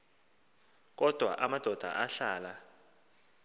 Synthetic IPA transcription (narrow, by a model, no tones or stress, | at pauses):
k̬ɔd̥ʱwa̰ʔamad̥ʱɔd̥ʱa̰ʔaɬaːla